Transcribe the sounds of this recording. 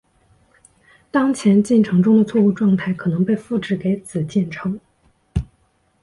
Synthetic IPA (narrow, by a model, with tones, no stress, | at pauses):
t̪ɑ˥ŋt͡ɕʰjɛ˧˥nt͡ɕi˥˩nʈ͡ʂʰɤ˧˥ŋʈ͡ʂʊ˥ŋd̪ə˨t͡sʰwɔ˥˧u˥˧ʈ͡ʂwɑ˥˧ŋt̪ʰa˥˩ɪkʰɤ˨˩nɤ˧˥ŋpe˥˧ɪfu˥˩ʈ͡ʂɻ̩˧˥ke˧˥ɪt͡sɹ̩˨˩t͡ɕjɛ˥˩nʈ͡ʂʰɤ˧˥ŋ